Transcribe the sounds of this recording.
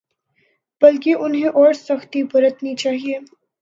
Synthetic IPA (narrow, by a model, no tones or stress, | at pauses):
b̥ɐlkiʔʊnɦẽʔɔːɾsɐxt̪ibɐɾət̪nit͡ʃaːɦieː